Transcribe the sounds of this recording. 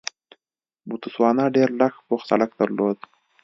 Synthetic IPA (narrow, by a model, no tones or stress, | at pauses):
but̪uswɑːnaɖeɾlaxpoxsa̰lak̚d̪əɾlod̪